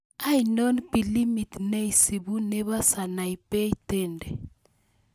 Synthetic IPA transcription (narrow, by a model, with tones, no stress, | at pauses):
a˦i˨nɔ˦npi˨li˦mi˨tne˦i˨si˨bu˦ne˦βa˦sa˨na˨i˨pɛ˦i˦tɛ˦˨ndɛ˨